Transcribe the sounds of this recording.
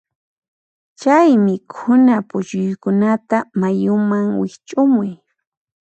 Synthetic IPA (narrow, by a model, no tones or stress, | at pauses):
t͡ʃajmɪkʰʊnapʊt͡ʃʊjkʊnat̪amajʊmaŋwɪkt͡ʃʼʊmʊj